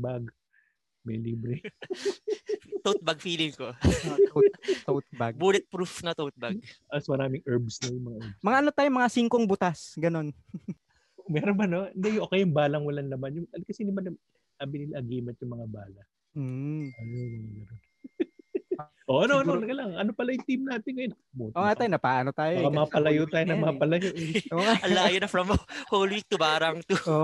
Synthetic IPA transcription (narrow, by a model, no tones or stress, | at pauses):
baɡ | mɐjliːbɾɛ | t̪ot̪̚bɐɡ̚fiːlɪŋko | t̪ɐt̪̚baɡbuːlɪt̪̚pɾufnɐt̪ot̪̚bɐɡʔɐsmɐɾaːmɪŋʔɛɹbsnɐjʊŋmɐŋaʔɛbmɐŋaʔɐnot̪aːjomɐŋasiːŋkoŋbʊt̪asɡɐno̞n | mɛːɾonbɐnoɪnd̪ɛjʊŋʔoːkɛjʊŋbaːlɐŋwɐlɐnlɐmanjʊɐkɐsɛd̪ɪbanɐ | ʔabɪnɪlaʔɐɡiːmɛnt̪jʊŋmɐŋabaːlɐ | ɐjoɡɐnɐnɡɐnon | ʔoʔɐnoʔɐnonɐkɐlɐŋʔɐnopɐlɐjʊŋt̪imnaːt̪ɪnŋɐjonːɐkɐbut̪ʔoŋat̪aːjonɐpaːʔɐnot̪aːjomɐamɐapɐlɐjot̪aːjonɐmɐapɐlɐjoʔʔɐlaːjonɐfɾɐmholwik̚t̪ʊbaːɾɐŋt̪uo